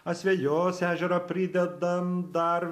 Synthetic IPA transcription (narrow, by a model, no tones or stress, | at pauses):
ɐsʲʋʲɛjoːsæːʒʲɛɾɐpʲɾʲɪd̪ʲɛd̪ɐmd̪ɐɾ